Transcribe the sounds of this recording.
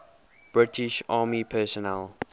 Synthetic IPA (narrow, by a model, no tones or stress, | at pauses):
b̥ɹɪtʰɪʃɑːmipʰɛːsɔnɛl